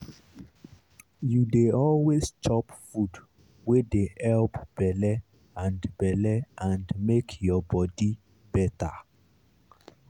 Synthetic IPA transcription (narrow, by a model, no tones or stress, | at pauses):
judeɔlwezt͡ʃʰɔpfud | wedeʔɛlpb̥ɛlɛ | ãnbɛlɛʔãndmekʰjɔbɔdi | b̥ɛta